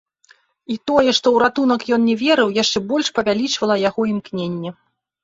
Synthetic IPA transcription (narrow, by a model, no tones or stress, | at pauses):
it̪ɔjɛʂt̪ɔwɾat̪un̪ɐkjɔnnʲɛvʲɛɾɨwjaʂt͡ʂɛbɔlʲʂpɐvʲalʲit͡ʂvɐlˠɐjaɣɔimknʲenʲːɛ